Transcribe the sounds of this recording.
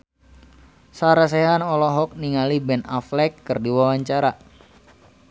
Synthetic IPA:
saɾas̬ɛɦanɔlɔɦɔk̚niŋalibɛnaflɛkːɨrdiwawaɲt͡ʃaɾa

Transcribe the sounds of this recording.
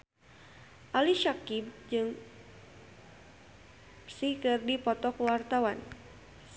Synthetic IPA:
ʔaliʃakib̚d͡ʒɨŋ | sikɨrdipɔt̪ɔkwart̪awan

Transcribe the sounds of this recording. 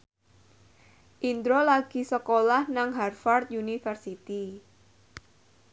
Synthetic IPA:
ʔind̪ɾolaɡ̥i̤səkolahnaŋɦarfart̪̚junifərsit̪i

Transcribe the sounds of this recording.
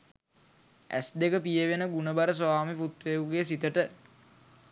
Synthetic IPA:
æ̰sd̪ekəpijəʋenəɡunəbaɾəs̬aːmiput̪ʋeuɡesit̪əʈə

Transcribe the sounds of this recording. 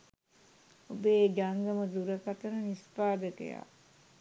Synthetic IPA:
obeːɡaŋɡəməd̪uɾəkat̪əɾənispaːd̪əkə̰ja̰ː

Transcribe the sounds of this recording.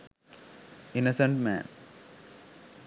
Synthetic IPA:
inosə̃ɳʈmæ̰̃ːn

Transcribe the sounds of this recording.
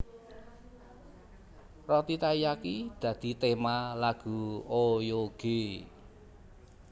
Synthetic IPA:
rɔt̪it̪ajakid̪̥ä̤d̪̥i̤t̪emalaɡ̥ṳojoɡ̥e

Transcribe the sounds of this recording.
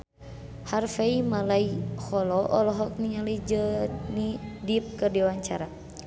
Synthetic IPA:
harfeimalaihɔlɔʔɔlɔɦɔk̚niɲalid͡ʒənidip̚kərdiwaɲt͡ʃa̰ɾa

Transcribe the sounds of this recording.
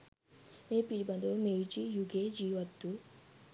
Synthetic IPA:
eːpiibɐnd̪ɐmejd͡ʒijuɡed͡ʒiːʋɐt̪ːu

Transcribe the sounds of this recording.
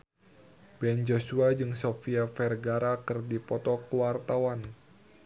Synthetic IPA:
bɛnd͡ʒosuad͡ʒɨŋsofiafɛrɡaɾakɨrdipɔt̪ɔkuwart̪awan

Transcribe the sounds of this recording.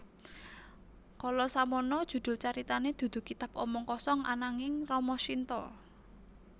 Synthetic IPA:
kɔlɔsamɔnɔd̥ʒ̥ṳd̪̥ʊ̤lt͡ʃaɾit̪aned̪̥ṳd̪̥ṳkit̪apɔmɔŋkɔsɔŋa̰naŋɪŋrɔmɔʃint̪ɔ

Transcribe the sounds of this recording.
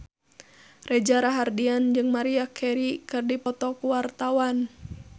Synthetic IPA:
rɛd͡ʒaɾaɦardiand͡ʒɨŋmaɾiakʰɛɾikɨrdipɔt̪ɔkuwart̪awan

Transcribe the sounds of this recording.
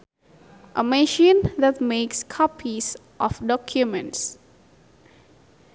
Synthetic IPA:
ʔəmɛʃĩnðɛt̚mekskʰɔpʰis | ʔɔfdɔkʰjumə̃nts

